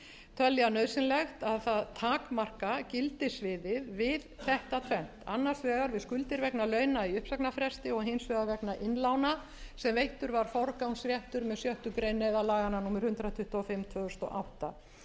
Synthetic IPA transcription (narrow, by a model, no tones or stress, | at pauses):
t̪ʰœljanœðsɪnlɛxt̪aðθaðt̪ʰaːkmar̥kacɪlt̪ɪsvɪðɪðvɪðθɛht̪at̪ʰvɛn̥t̪a̰nːḁsvɛːɣaɾvɪðskʏlt̪ɪɾvɛknalœːɥnaiʏhpsaknafɾɛst̪ɪɔɣɦejnsvɛðavɛknaʔɪnlaːwna | sɛmvejht̪ʏɾvaɾ̥fɔɾkawnsɾjɛht̪ʏɾmɛðsjœht̪ʏkɾejnːɛðalaːɣananuːmɪɾ̥hʏnt̪ɾat̪ʰʏht̪ɔfɪmt̪ʰvœːɣʏst̪ɔʔa̰wht̪a